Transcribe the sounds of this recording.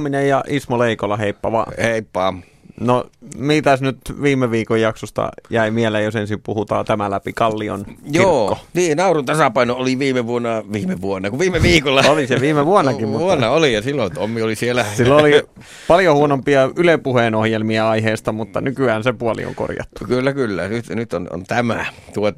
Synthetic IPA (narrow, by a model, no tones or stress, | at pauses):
minejjɑʔismoleikolːɑheipːɑʋɑ̰ːheipːɑː | nomit̪æsnyt̪ʋiːmˑeʋiːkojjɑksost̪ɑ̰jæimielejjosensimpuhut̪ɑ̰ːt̪æmælæpikɑlːio̰njioːkːoniːnɑurunt̪ɑsɑpɑinoʔoliʋiːmeʋuonːɑʋiːmeʋuonːɑkuʋiːmˑeʋiːkolːɑoliseʋiːmeʋuonːɑkimmutʋuonːɑolijɑsilːonyt̪omːiolisielæsilːoli | pɑljohuonompiɑylepuheːnohjelmiɑɑiheːst̪ɑmut̪ːɑ̰nykyæːnsepuolḭo̰ŋko̰rjɑ̰t̪ːu̥kylːækylːænyt̪nyt̪ono̰nt̪æmæt̪uo